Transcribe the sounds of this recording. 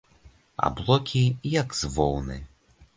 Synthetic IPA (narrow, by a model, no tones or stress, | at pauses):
a̰blˠɔkʲijɐkz̥vɔ̰wnɨ̰